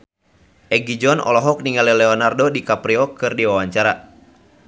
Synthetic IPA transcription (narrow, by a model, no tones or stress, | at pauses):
ʔɛɡid͡ʒɔnɔ̰lɔɦɔk̚niŋalɛlɛɔnardodikapɾiɔkɨrdiwawaɲt͡ʃaɾa